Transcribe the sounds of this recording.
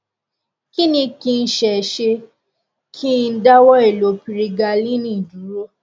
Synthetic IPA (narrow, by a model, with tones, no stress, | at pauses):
ki˦nĩ˧ki˧n̩˦ʃɛ˨ʃe˧ | kʰi˦n̩˦da˦wɔ˦e˨lo˨˦pi˧ɾi˧ɡa˧lĩ˦nĩ˦˨du˨˦ɾo˦